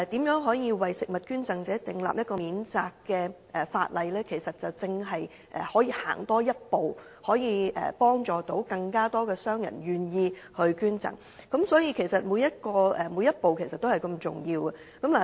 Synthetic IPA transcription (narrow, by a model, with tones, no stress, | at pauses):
ɛ˨˩t̪iː˨˥mjœː˨˥ŋɦɔː˨˥jiː˧wɐ˨jsɪ˨k̚mɐ˨t̚kyː˥nt͡sɐ˨ŋt͡sɛː˨˥t͡sɪ˨˧ŋla̰ː˨p̚jɐ˥t̚kɔː˧iː˨˥nt͡saː˧kːɛː˧ | ʔɛ˨faː˧t̚lɐ˨˧jlɛː˥kʰe˨˩jsɐ˨t̚t͡sɐ˨wt͡sɪ˧ŋɦɐ˨j | ʔɛ˨˩hɔː˨˥jiː˧ha̰ː˨˩ŋt̪ɔː˥jɐ˥t̚po˨w | hɔː˨˥jiː˧ʔɛ̰ː˨˩pɔː˥ŋt͡ʃɔː˨˩t̪o˨˥wkɐ˧ŋkaː˥t̪ɔː˥kɛː˧sœː˥ŋjɐ̰˨˩nɥyː˨njiː˧hɵ˧ɥkyː˥nt͡sɐ̰˨ŋ | kɐ˨˥msɔː˨˥jiː˧kʰe˨˩jsɐ˨t̚muː˨˧˥jɐ˥t̚kɔː˧ɛ˨mu˨˧˥jɐ˥t̚po˨wkʰe˨˩jsɐ˨t̪̚o˥hɐ˨jkɐ˧mt͡sʊ̰˨˩ŋjiː˧wɐ˨ | kɐ˨˥mlaː˨˩